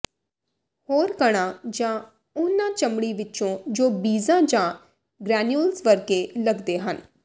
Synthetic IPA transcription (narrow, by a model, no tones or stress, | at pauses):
hoːɾkəɽ̃ãːd͡ʒãː | ʊnãːt͡ʃəmɽiːʋɪt͡ʃõːd͡ʒoːbiːzãːd͡ʒãː | ɡɾɛːnjulsʋəɾkeːləɡd̪eːɦən